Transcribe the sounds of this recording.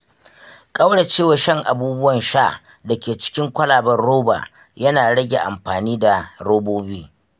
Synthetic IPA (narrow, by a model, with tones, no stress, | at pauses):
kʼa˦wɽe˨t͡ʃeː˦˨wa˨ʃɐ˦ŋʔa˨buː˦bʊ˦wɐ˨nʃa˦ | dɐ˨kʲeː˨t͡ʃɪ̥˦kʲɪ˦ŋkʷɐ˦laː˨bɐ˦rɽoː˦ba̰ː˨ | jɐ˦naː˨ɽɐ˦ɡʲe˨ʔa̰˨mɸaː˨niː˦da˨ɽoː˦boː˦biː˦